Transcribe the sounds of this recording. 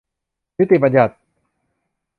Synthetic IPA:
n˦˥t̪ːi˨˩ba˧nja˨˩t̪̚

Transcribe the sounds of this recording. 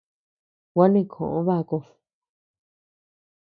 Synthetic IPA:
wʷa˦nĩ˦˧˨kʰõ̰˨ʔõ˦βa˦˧ko˧

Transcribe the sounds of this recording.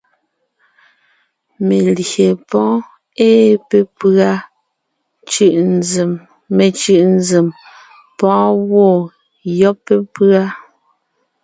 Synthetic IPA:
me˨lje˨pɔ̃ː˨˦ | eː˦pe˦pa˦ | t͡ʃʉ˨ʔm | me˨t͡ʃʉ˨ʔn˦d͡ze˨m | pɔ̃ː˦wɔ˦˨ | jɔ˦pːe˦pɰa˦

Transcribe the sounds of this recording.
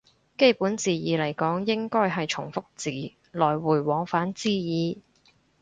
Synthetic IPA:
ke˥jpuː˨˥nt͡siː˨jiː˨lɐ˨˩jkɔː˨˥ŋjɪ˥ŋkɔː˥jɦɐ˨jt͡ʃʰʊ˨˩ŋfʊ˥k̚t͡siː˨˩ | lɔː˨˩jwuː˨˩jwɔː˨˥ŋfaː˨˥nt͡siː˥jiː˨˧

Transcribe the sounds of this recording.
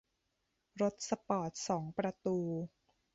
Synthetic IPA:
ɾo˦˥t̪̚sa˧pɔː˨˩t̪̚sɔː˩˦ŋpɾa˧t̪uː˧

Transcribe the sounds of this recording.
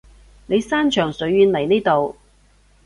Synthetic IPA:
ne˨˧jsaː˥nt͡ʃʰœː˨˩ŋsɵ˨˥ɥɥyː˨˧nlɐ˨˩jniː˥jt̪o˨w

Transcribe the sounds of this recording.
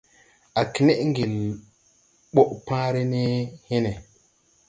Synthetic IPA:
a˨ki˨ne˦ʔŋ˦ɡi˨l | ɓo˦ʔpã˦ɾe˦ne˦he˦ne˨

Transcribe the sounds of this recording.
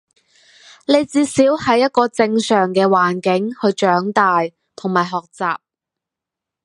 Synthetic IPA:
le˨˧jt͡siː˧siː˨˥whɐ˨˧˥jːɐ˥t̚kɔː˧t͡sɪ˧ŋsœː˨˩ŋkɛː˧waː˨˩nkɪ˨˥ŋhɵ˧ɥt͡ʃœː˨˥ŋt̪aː˨j | t̪ʰʊ˨˩ŋmaː˨˩jɦɔː˨k̚t͡sa̰ː˨p̚

